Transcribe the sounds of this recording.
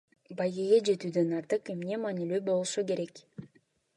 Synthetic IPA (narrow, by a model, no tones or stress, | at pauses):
bajɡeɡʲed͡ʒe̞t̪yːd̪ø̞nɑɾt̪ɯqe̞mne̞mɑːnilybo̞lˠuʃuke̞ɾe̞k